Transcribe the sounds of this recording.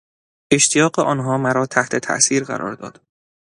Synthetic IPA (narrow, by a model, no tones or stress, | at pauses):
e̞ʃt̪ʰijɒːɢeʔɒːnɦɒːmæɾɒːt̪ʰæht̪ʰe̞t̪ʰæ̰ʔsiːɾɢæ̰ɾʔɒ̰ːɾd̪ɒ̰ːd̪̥